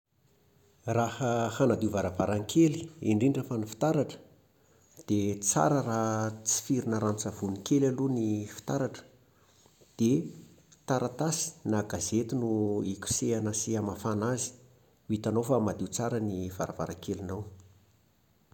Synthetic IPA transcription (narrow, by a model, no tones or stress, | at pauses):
rahəhanad̪iuvaɾavaɾaŋkʰeliiɳɖ͡ʐinɖ͡ʐafanifi̥t̪aɾaʈ͡ʂə̥ | d̪̥et͡sa̰ɾərat͡si̥fiɾinəɾant͡sav̥unikelalunifi̥t̪aɾaʈ͡ʂə̥ | d̪̥e | t̪aɾat̪asi̥naɡazet̪inuikʲu̥seanasiamafanazi̥ | it̪anowfamad̪iwt͡saɾəniv̥aɾava̰ɾaŋkelinaw